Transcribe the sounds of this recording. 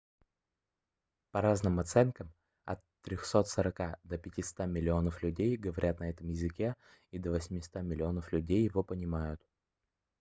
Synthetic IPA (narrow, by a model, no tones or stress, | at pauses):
pɐɾaznɨmɐt̪sɛnkəm | ɐ̰t̪ːɾʲoxso̞t̪səɾɐkad̪əpʲɪtʲɪst̪amʲɪlʲɪo̞nəflʲʉdʲejɡəvɐɾʲʔat̪nɐɛt̪əmjɪzɨkʲe̞ | id̪əvəsʲmʲɪst̪amʲɪlʲɪo̞nəflʲʉdʲejːɪvo̞pənʲɪmajʊt̪